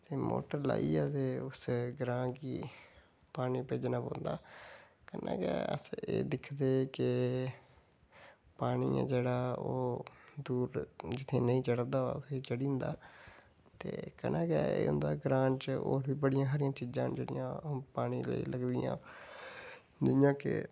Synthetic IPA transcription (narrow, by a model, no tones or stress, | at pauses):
t̪eːmo̰ːʈəɾla̰ːiːɛːt̪eːʊsɡɾãːkiː | paːniːpeːd͡ʒnãːbõːnd̪aː | kənã̰ːkɛ̰ːə̰seːd̪ɪkʰd̪eːkɪ | paːɽ̃iːã̰ːd͡ʒeːɽaːoːd̪uːɾd͡ʒɪt̪ʰeːnəĩːt͡ʃəɽd̪aːaːʊsʰeːt͡ʃəɽĩːnd̪aː | t̪ḛːkənaːkɛːḛːʊnd̪aːɡɾãːt͡ʃo̰ːɾbiːbəɽɪjãːɦaːɾɪjãːt͡ʃiːd͡ʒãːd͡ʒeːɽɪjãpaːɽ̃iːləḭːləɡd̪ɪjãː | d̪ɪjãːkɪ̰